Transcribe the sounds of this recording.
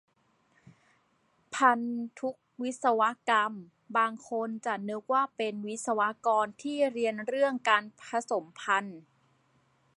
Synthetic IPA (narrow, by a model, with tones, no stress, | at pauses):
pʰa˧nt̪ʰu˦˥k̚wi˦˥t̪̚sa˧wa˦˥ka˧m | baː˧ŋkʰo˧nt͡ɕa˨˩nɯ˦˥k̚waː˥˩pe˧nwi˦˥t̪̚sa˧wa˦˥kɔː˧nt̪ʰiː˥˩ɾi˧ənɾɯ˥˩əŋkaː˧npʰa˧so˨˩˦mpʰa˧n